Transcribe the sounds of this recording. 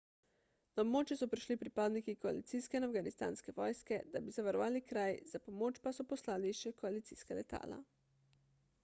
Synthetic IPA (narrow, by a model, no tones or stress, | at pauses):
naobmoːt͡ʃjɛsɔpɾiʃlipɾipaːd̪nikikɔa̰lḭt̪iːskɛinafɡanist̪a̰ːnskɛʋɔːjskɛd̪abizaʋaɾɔʋaːlikɾajz̥apɔmoːt͡ʃpasɔpɔslaːliʃɛkɔalit̪siːskalɛt̪a̰ːla̰